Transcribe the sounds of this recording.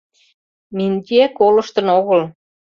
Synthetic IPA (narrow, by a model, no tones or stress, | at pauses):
minʲt̪ʲiækolɤ̆ʃt̪ɤ̆noɣɤ̆l